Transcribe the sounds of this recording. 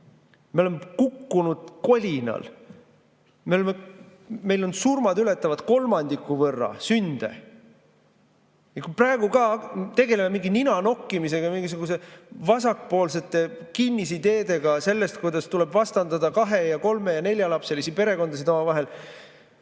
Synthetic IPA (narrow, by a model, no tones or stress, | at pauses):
melemːekukːunud̪̥ko̞lʲinɑ̰l | me̞o̞lemːe | me̞jlo̞nsurmɑd̪yle̞t̪ːˑɑvɑd̪̥ko̞lmɑnd̪̥ikːˑuvɤrːɑ̰synd̪̥e̞̰ | jɑkuprɑeɡ̥ukɑt̪e̞ɡe̞lememiŋɡininɑno̞kːˑimis̬e̞ɡ̥ɑmiŋɡ̥isuɡ̥use̞vɑsɑkːpo̞ːlse̞t̪ːˑe̞kinʲːis̬id̪e̞ːd̪e̞ɡ̥ɑse̞lːe̞st̪̚kujd̪ɑst̪ule̞bvɑst̪ɑnd̪ɑd̪ɑkɑɦe̞jɑko̞lme̞jɑne̞lʲjɑlɑpse̞lisipe̞ɾe̞ko̞nd̪ɑsid̪o̞mɑvɑɦe̞l